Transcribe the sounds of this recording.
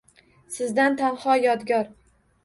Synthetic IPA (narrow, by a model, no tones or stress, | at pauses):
sɪzd̪ant̪ʰanhɒjɒd̪ɡʲɒɾ